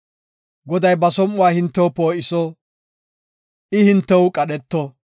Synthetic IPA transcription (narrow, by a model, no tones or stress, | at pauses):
ɡɔd̪ɐjbɐsɔmʊwaːhɪnt̪ːɛwʊpo̞ːʔɪsɔ | ʔɪhɪnt̪ːɛwʊkʼɐɗɛt̪ːɔ